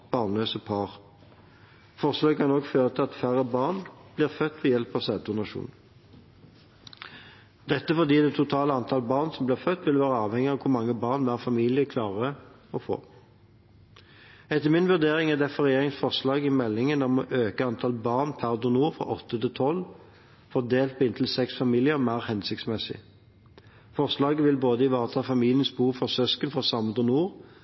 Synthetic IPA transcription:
b̥ɑːʁnløːsəpʰɑːʁ | fɔʁslɑːɡkʰɑnɔkføːʁət̪ʰɪlɑt̪fæʁəbɑːʁnb̥liːʁfœt̪ːʋɛjɛlpɑsɛːt̪ʰʊnɑʃṵːn | d̪̥ɛt̪ːəfɔd̪iːd̪ɛt̪ʰːʊt̪ʰɑːləɑnt̪ʰɑːlbɑːʁnsɔmbliːʁfœt̪ːʋɪləʋæːʁəɑːʋhɛŋɪɑʋkʰʊɾmɑŋːəbɑːʁnʋæːʁfɑmiːlɪəkʰlɑːʁə | ɔfo̰ː | ɛt̪ːəmɪnʋʉʁd̪eːʁɪŋæd̪ɛfɔʁɛjeːʁɪŋsfɔʁʂlɑːɡɪmɛlːɪŋənɔmɔʔøːkəɑnt̪ʰɑːlbɑʁnpʰæʁd̪ʊnuːɾfʁɑ̰ʔɔt̪ːət̪ʰɪlt̪ʰɔl | fɔʁd̪eːlt̪̚pʰɔɪnt̪ʰl̩sɛksfɑmiːlɪəʁmæɪʁhɛnsɪk̚t̪smɛsɪ̰ | fɔʁʂlɑːɡəʋɪlboːd̪əɪʋɑːʁət̪ʰɑːfɑmiːlɪənsbuːʁfɔʁsœskənfɔsɑmːəd̪ɔnuːʁ

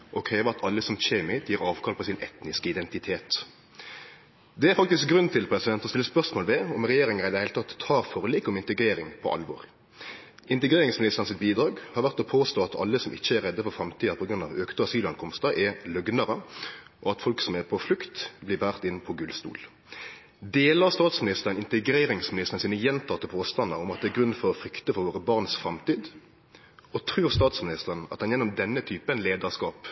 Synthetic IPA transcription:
ʔɔkʰɾeːʋəɑt̪ʰɑlːəsɔmçeːmɪt̪jiːɾɑːʋkʰɑːlpʰɔsɪnʔɛt̪nɪskəɪd̪ɛnt̪ɪt̪ʰeːt̪ | d̪ɛæɾfɑk̚t̪ɪskɡɾʉnt̪ʰɪlpʰɾɛsɪd̪ɛnt̪ɔst̪ɪlːəspœʁsmoːlʋɛɔmʁɛjeːɾɪŋəɾɪd̪ɛhɛɪlt̪ʰɑt̪ʰːɑːɾfɔʁliːkɔmɪnt̪əɡɾeːɾɪŋpʰɔ̰ʔɑ̰lʋo̰ːʁ | ʔɪnt̪əɡɾeːɾɪŋsmɪlɪsɑnsɪt̪̚biːd̪ɾɑːɡhɑɾʁʋæʁt̪ɔpʰoːst̪oːɑt̪ʰɑ̰lːəsɔmʔɪçːəæɾɛd̪ːəfɔʁfɾɑmt̪ʰiːɑpʰɔɡɾʉnɑ̰ʋøːkt̪əɑsyːlɑŋkʰɔmst̪ɑʔɛlœɡnəʁəʔɔɑt̪fɔlksɔmɛʁpʰɔflʉkt̪blɪbæːʁt̪ɪnːpʰɔɡʉlst̪ṵːl | d̪eːləʁst̪ɑːt̪smɪnɪst̪əʁənɪnt̪əɡɾeːɾɪŋsmɪnɪst̪ʁnsiːnəjɛnt̪ʰɑːt̪ːəpʰoːst̪ɑnɑʊmɑt̪̚d̪ɛːɡʁʉnːfɔʁɔfʁʏkt̪əfɔʁʋoːʁəbɑʁnsfɾɑmt̪iːd̪ | ɔt̪ʰɾʉːʁst̪ɑːt̪smɪnɪst̪əʁənɑ̰t̪̚ɑnjɛnːʊmd̪ɛnːət̪ʰyːpənleːd̪əʁskɑːp

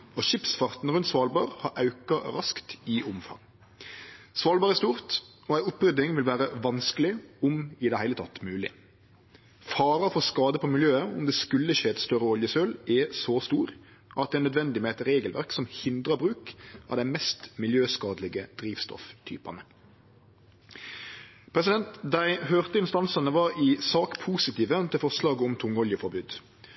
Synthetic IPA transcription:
ɔʃɪpsfɑʁt̪n̩ɾʉnt̪sʋɑːlbɑːʁhɑɾʔɑʉkɑɾɑskt̪ɪʔʊmfɑ̰ŋ | sʋɑːlbɑːʁɛst̪uːʁt̪ | ɔæɪʊpːɾʏd̪ɪŋʋɪlʋæːɾəʋɑnskəlɪʊmɪd̪ɛhæɪlət̪ʰɑt̪ːmʉːlɪ̰ | fɑːɾɑfɔskɑːd̪əpʰɔmɪljøːəʊ̰md̪ɛskʉlːəʃeːɛt̪st̪œɾəɔljəsøːlɛsɔst̪uːɾ | ʔɑt̪̚d̪ɛnœd̪ʋɛnd̪ɪmɛæɪt̪ɾeːɡəlʋæ̰ʁksɔmhɪnd̪ʁɑbɾʉːkʔɑ̰ʋd̪æɪmɛst̪mɪljøːskɑːd̪lɪɡəd̪̥ɾiːʋst̪ɔ̰ft̪ʰy̰ːpɑ̰nə | pʰɾɛs̬ɪd̪ɛnt̪d̪æɪhøːʁt̪əɪnst̪ɑnsɑnəʋɑɾɪsɑːkpʰuːsɪt̪iːʋət̪ʰɪlfɔʁslɑːɡəɔmt̪ʰʊŋːɔljəfɔɾbʉːd̪

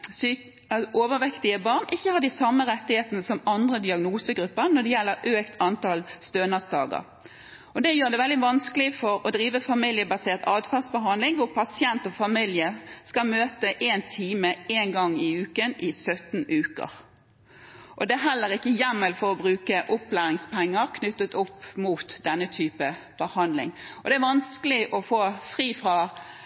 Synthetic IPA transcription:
s | ʔoːʋəʋɛkt̪ɪəbɑʁnʔɪçːəhɑʁd̪ɪsɑmːəʁɛt̪ːɪheːt̪ənəsɔmɑnd̪ʁəd̪ɪɑɡnuːsəɡɾʉpːəʁnɔd̪ɛjɛlːəɾʔøːkt̪ʰɑnt̪ɑlst̪øːnəsd̪ɑ̰ːɡə̰ʁ | ʔɔd̪ɛjøːʁd̪ɛʋɛld̪ɪʋɑnskəlɪfɔɾɔd̪ɾiːʋəfɑmɪljəbɑseːʁt̪ʰɑːd̪fɑːʁsbəɦɑnd̪lɪŋʋʊʁpʰɑsɪɛnt̪ɔfɑmɪljəskɑlmøːt̪əʔeːnt̪ʰiːməeːnɡɑŋːɪʉːkənɪsœt̪n̩ʉːkə̰ʁ | ʔɔd̪ɛæɦɛlːəʁɪkːəjɛmːəlfɔʁɔbʁʉːkəʔʊpːlæːʁɪŋspʰɛŋːəʁkʰnʏt̪ːət̪ʊpːmuːt̪d̪ɛnːət̪ʰyːpəb̥əhɑnd̪lɪ̰ŋɔd̪ɛæʋɑnskəlɪʔɔfoːfʁiːfʁɑ

